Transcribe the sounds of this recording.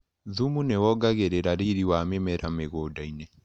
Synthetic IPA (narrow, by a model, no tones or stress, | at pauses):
ðumunewɔɡaɣeɾeɾaɾiɾiwamemɛɾameɣodainɛ